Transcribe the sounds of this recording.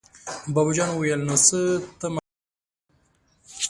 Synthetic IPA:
babd͡ʒɑnwajalnosət̪əma

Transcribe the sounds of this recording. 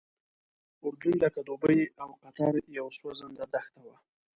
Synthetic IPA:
ʊɾd̪ujlakad̪obəjawqat̪aɾjawswazənd̪ad̪axt̪awa

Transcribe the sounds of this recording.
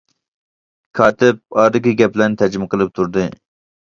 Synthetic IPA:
kʰɑːt̪ʰɪp̚ɑːɾɨkʲiɡʲɛplɛnt̪ʰæd͡ʒmɨqʰəlˠɨp̚t̪ʰuɾd̪ɨ

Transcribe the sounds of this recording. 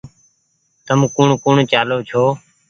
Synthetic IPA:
t̪əmkuːɳkuːɳt͡ʃaːloːt͡ʃʰoː

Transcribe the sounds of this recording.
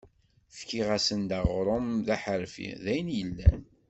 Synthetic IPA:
θkːiʁæsənd̪aʁɾˤomðæħəɾfḭðæjənjəlːæ̰n

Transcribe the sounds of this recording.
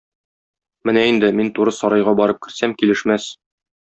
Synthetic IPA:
mɘnæind̪ɘmint̪uɾɤsɒɾɑjʁɑbɒɾɤp̚kɘ̆ɾsæmkilɘ̆ʃmæs

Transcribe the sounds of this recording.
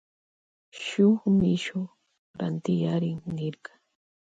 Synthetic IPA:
ʃʊχmɪʃʊ | ɾa̰nt̪ɪjaɾɪŋnɪɾkɑ̥

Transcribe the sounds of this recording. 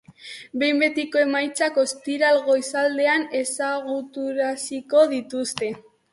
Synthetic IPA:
be̞jmbe̞t̪iko̞e̞majt͡sako̞st̪iɾalɣo̞jsald̪e̞ane̞saɣut̪uɾasiko̞ðit̪ust̪e̞

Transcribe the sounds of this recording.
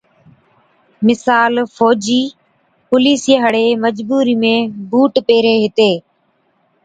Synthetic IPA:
mɪsaːlfoːd͡ʒiː | pʊliːsijeɦəɽeːməd͡ʒbuːɾiːmẽːbuːʈpeːɾeːɦɪt̪eː

